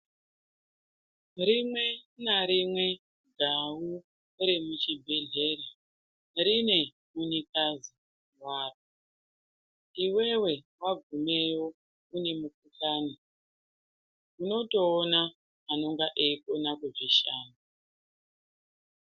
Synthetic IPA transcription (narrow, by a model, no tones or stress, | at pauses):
rimwe̞naɾimwe | ɡʱawu | ɾemut͡ʃibʱeɮe̞ːɾa | rine̞ | munikazi | waːpo | iwe̞we̞ | waɡʱumewo̞ | une̞muk̚ukaːni | uno̞to̞ːnaː | no̞ŋɡaʔeikonakuʐiʃaːnu